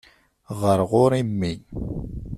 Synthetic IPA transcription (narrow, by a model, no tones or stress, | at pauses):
ʁəɾʁʊɾimːi